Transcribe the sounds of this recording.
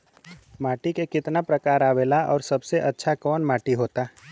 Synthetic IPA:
maːʈikekɪt̪napɾɐkaːɾaːʋeːlaɔːɾsɐbseʔɐtːʃʰakɔːnmaːʈiɦoːt̪aː

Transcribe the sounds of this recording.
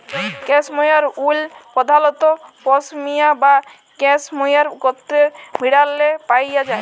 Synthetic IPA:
kɛ̃smɔjaɾulpɔd̪ʱalɔt̪ɔpɔsmijaba | kɛsmɔjaɾɡɔt̪ɾemiɽalːepajjad͡ʒae

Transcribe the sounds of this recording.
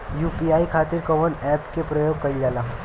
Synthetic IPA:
juːpiaːikʰaːt̪ɪɾkɐʋənɛːpkepɾɐjoːɡ̚kɐid͡ʒaːlaː

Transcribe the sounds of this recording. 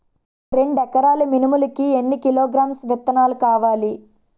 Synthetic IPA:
ɾe̞ɳɖɛkːɐɾaːluminimulɐkienːikiloːɡɾaːmsʋɐt̪ːɐnaːlukaːʋaːli

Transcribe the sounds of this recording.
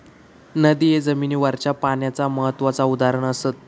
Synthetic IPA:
nəd̪ijed͡zəminiːʋaɾt͡ɕapaɳjat͡saməɦət̪ːʋat͡saud̪aɾəɳ̃əsət̪̚

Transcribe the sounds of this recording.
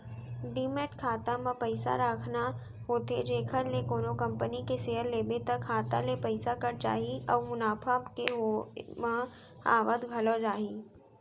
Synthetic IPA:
ɖimeʈkʰaːt̪amãpɐɪsa̰ɾaːkʰna | ɦoːt̪ed͡ʒeːkʰəɾlekoːnokɐ̃mpənikeseːəɾleːbet̪əkʰːaːt̪a̰lepɐɪsakəɾt͡ʃa̰ːɦiɔːɾmʊnaːfʰakeɦomã | a̰ːʋəd̪ɡʱɐlod͡ʒaːɦiː

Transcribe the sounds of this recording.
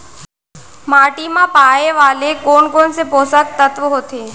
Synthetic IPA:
maːʈimãpaːjeʋaːlekoːɳkoːnsepoːsək̚t̪ət̪ʋəɦoːt̪eː

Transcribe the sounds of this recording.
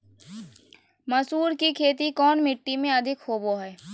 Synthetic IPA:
mɐsuːɾkikʰeːt̪̬ikɔːnmɪʈːimẽɐd̪ʱɪkhoːboɦɛː

